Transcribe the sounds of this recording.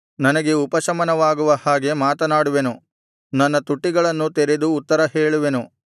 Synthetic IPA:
nɐnɐɡe̞upɐʃɐmɐnɐʋaːɡuʋɐhaːɡe̞maːt̪ɐnaːɽuʋe̞nu | nɐnːɐt̪uʈːiɡɐɭɐnːut̪eɾed̪uːt̪ːɐɾɐɦeːɭuʋe̞nu

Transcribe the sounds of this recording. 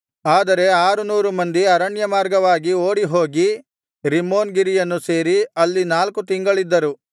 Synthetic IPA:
aːd̪ɐɾe̞aːɾunuːɾumɐnd̪iɐɾɐɳjɐmaːɾɡɐʋaːɡioːɽiɦo̞ːɡi | ɾimːo̞ːnɡiɾijɐnːuse̞ːɾiɐlːinaːlkut̪iŋɡɐɭid̪ːɐɾu

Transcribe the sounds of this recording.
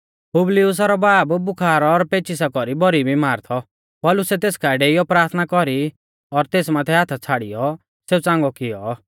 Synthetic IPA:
pʊblɪʊs̬aɾɔbaːbbʊkʰaːɾɔːɾpeːt͡ʃis̬akɔɾibɔɾibʱimaːɾt̪ʰɔ | pɔːlʊsɛt̪eːskaɖeijɔpɾaːɾt̪ʰnakɔɾi | ɔɾt̪eːsmãːt̪ʰɛɦat̪ʰat͡sʰaːɽḭjɔ | seːut͡sãːŋɡɔkɪɔ

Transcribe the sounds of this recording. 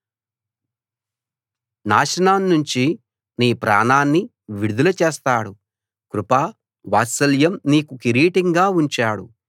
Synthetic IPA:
naːʂɐnaːnːuɲt͡ʃi | niːpɾa̰ːnaːnːi | ʋiɽud̪ulɐt͡ʃeːst̪aːɽu | kɾupaː | ʋaːsɐljɐmniːkukiɾiːʈiŋɡaːuɲt͡ʃaːɽṵ

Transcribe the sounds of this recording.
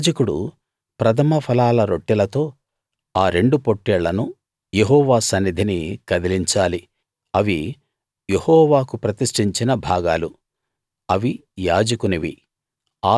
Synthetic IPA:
d͡ʒɐkuɽṵ | pɾɐt̪ʰɐmɐpʰɐlaːlɐɾo̞ʈːilɐt̪o̞ː | aːɾe̞ɳɖupo̞ʈːɛɭːɐnu | jeɦɔːʋaːsɐnːid̪ʱinikɐd̪iliɲt͡ʃaːli | ɐʋi | je̞hɔːʋaːkupɾɐt̪iʂʈiɲt͡ʃinɐbʱaːɡaːlu | ɐʋi | jaːd͡ʒɐkuniʋḭ | aː

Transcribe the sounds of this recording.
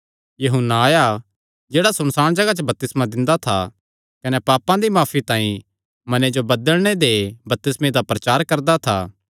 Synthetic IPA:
jɐɦʊnːaːja | d͡ʒeːɽasɐmsaːɽ̃d͡ʒɐɡat͡ʃəbɐp̚t̪ɪsmãd̪ɪ̃nd̪at̪ʰa̰ | kɐnɛpaːpãd̪imaːpʰit̪ãːĩ | mɐned͡ʒobɐd̪əɭɽ̃ed̪ebɐt̪ɪsmẽd̪apɾɐt͡ʃaːɾkɐɾd̪at̪ʰa̰ː

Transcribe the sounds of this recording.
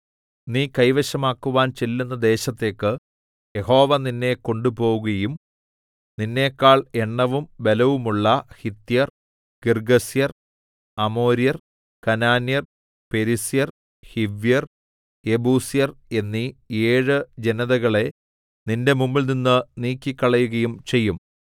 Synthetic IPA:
niːkɐjʋɐɕɐmaːkːuʋaːnt͡ɕelːunːɐd̪e̞ːɕɐt̪ːe̞ːkːɨ | je̞ho̞ːʋɐninːe̞ko̞ɳɖupo̞ːɣuɣɐjum | ninːe̞ːkːaːɭe̞ɳːɐʋumbe̞lɐʋumuɭːɐhit̪ːijɐr | kirɡɐsijɐr | ɐmo̞ːɾijɐr | kɐnaːnjɐr | pe̞ɾisijɐr | hiʋijɐr | ebuːsjɐre̞nːieːɻɨd͡ʑe̞nɐðɐɣɐɭe̞ | ninde̞mumːilninːɨniːkʲːikːɐɭɐjuɣɐjumt͡ɕe̞jːum

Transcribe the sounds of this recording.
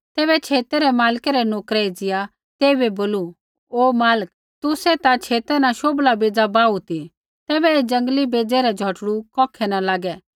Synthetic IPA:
t̪ɛːβɛt͡ʃʰeːt̪eɾɛmaːlkɛɾɛnoːkɾɛid͡zɪja | t̪eːibɛboːlu | oːmaːlək̚ | t̪ʊsɛt̪at͡ʃʰeːt̪ɛnaʃoːblabeːd͡zabaːut̪i | t̪ɛːbɛed͡ʒɐ̃ŋɡlibeːd͡zɛɾɛd͡ʒʱɔʈɽukɔːkʰɛnalaːɡɛ

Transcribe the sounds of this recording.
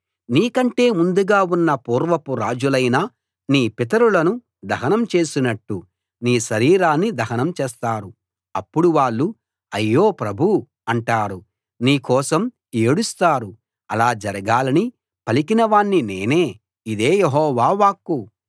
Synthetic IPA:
niːkɐɳʈe̞ːmund̪uɡaːunːɐpuːɾʋɐpuɾaːd͡ʒulɐjnaː | niːpit̪ɐɾulɐnu | d̪ɐɦɐnɐmt͡ʃe̞ːsinɐʈːu | niːʃɐɾiːɾaːnːid̪ɐɦɐnɐmt͡ʃɛːst̪aːɾu | ɐpːuɽuʋaːɭːu | ɐjːo̞ːpɾɐbʱu | ɐɳʈaːɾu | niːkɔːsɐm | eːɽust̪aːɾu | ɐlaːd͡ʒɐɾɐɡaːlɐni | pɐlikinɐʋaːɳːine̞̰ːne̞ː | id̪e̞ːjeɦɔːʋaːʋaːkːu

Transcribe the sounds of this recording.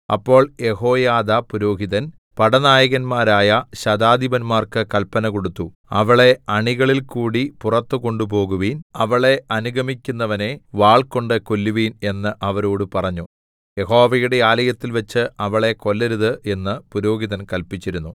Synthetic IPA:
ɐ̰pːo̞ːɭje̞ho̞ːjaːd̪ɐpuɾo̞ːɡiðɐn | pɐɽɐnaːjɐɣɐnmaːɾaːjɐɕɐd̪aːd̪ibɐnmaːrkɨkɐlpɐnɐko̞ɽut̪ːu | ɐ̰ʋɐɭe̞ɐɳiɣɐɭilkuːɽipurɐt̪ːɨko̞ɳɖup̬o̞ːɣuʋiːnɐʋɐɭe̞ʔɐnuɡʱɐmikʲːunːɐʋɐne̞ʋaːɭko̞ɳɖɨko̞lːuʋiːne̞nːɨʔɐʋɐɾoːɽupɐrɐɲːu | je̞ɦo̞ːʋɐjuɽe̞aːlɐjɐt̪ːilʋɐt͡ɕːɨʔɐʋɐɭe̞ko̞lːɐɾuðɨʔe̞nːɨpuɾo̞ːɡiðɐnkɐlpit͡ɕːiɾunːu

